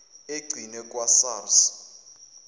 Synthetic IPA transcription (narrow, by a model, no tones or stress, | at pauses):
eɡ͡ǀʱinɛkʼwasaːrsḁ